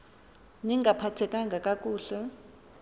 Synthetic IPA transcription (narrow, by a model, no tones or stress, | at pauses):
niŋɡʱapʰatʰɛkʼaŋɡʱakʼakʼuːɬɛ